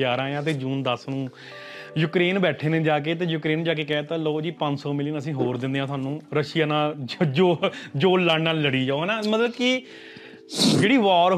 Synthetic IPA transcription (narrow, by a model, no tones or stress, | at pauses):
aːɾãːjãːt̪̬eːd͡ʒuːnd̪əsnũː | juːkɾeːnbɛːʈʰeːneːd͡ʒaːk̬eːt̪eːjuːkɾeːnd͡ʒaːkeːkɛːt̪ãːloːd͡ʒiːpə̃ɲd͡ʒsɔːmɪliənəsĩːɦoːɾd̪ɪ̃nd̪eːãt̪ʰʊaːnũːɾəʃɪjaːnaːld͡ʒoːd͡ʒoːaːnaːlːəɽiːd͡ʒaːoːɦɛːnãːmət̪ləbkɪ | d͡ʒeːɽiːʋaːɾ